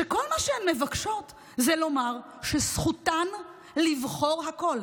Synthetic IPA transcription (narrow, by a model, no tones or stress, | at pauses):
ʃeko̞lmaʃeemːevakʃo̞t | zelo̞maʁ | ʃesχutan | livχo̞ʁɦako̞l